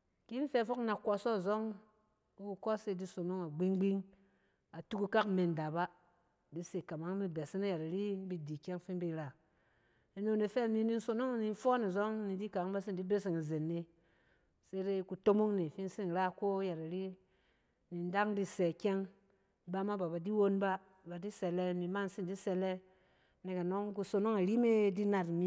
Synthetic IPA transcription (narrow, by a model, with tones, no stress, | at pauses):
ki˦n̩˦fe˦˨fo˦kna˨kʷɔ˧so˦˨zo˦ŋ | u˦ku˧kɔ˦se˦˨di˦so˨no˦ŋa˨ɡ͡bi˦ŋ˦ɡ͡bi˦ŋ | a˨tu˦ku˦ka˦kme˨n˨da˨ba˦ | bi˦se˨ka˨ma˦ŋ˦mi˦be˨si˦na˦ja˨ɾa˨ɾi˦bi˧di˨kʲe˦ŋ˦fi˦n˦bi˧˦ɾa˨ | e˨no˨ne˨fe˦˨ni˧˦ni˦n̩˦so˨no˦ŋ˨ni˧n˦fo˦ni˨zo˦ŋ˦ni˨di˦ka˨˦ŋba˦s̬i˦n˨di˦be˦s̬i˨ŋa˨ze˨nːe˧ | se˦ɾe˦ku˨to˦mo˦ŋne˨fi˦n˦si˦n˨ɾa˦ko˦ja˨ɾa˨ɾi˦ | ni˨n˦da˦ŋdi˦se˨kʲe˦ŋ | ba˦ma˦ba˨ba˨di˦wo˦nba˦ | ba˨di˦se˨le˦mi˨ma˦˨n˨si˦n˨di˦se˨le˦ | ne˨ka˨no˦ŋku˧so˨no˦ŋa˨ɾi˦me˦di˦na˨tmi˦